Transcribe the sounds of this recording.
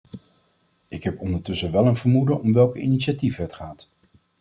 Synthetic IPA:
ɪkɦɛpɔndəɹtɵsəʋɛlˠənv̥əɹmudəʔɔmʋɛlˠkəḭniʃativɦətχaːt

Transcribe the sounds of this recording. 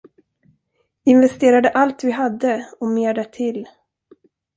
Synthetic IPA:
ɪnvɛst̪eːɾad̪əʔalt̪vɪɦad̪ːəɔmeːɖɛʈʰɪlː

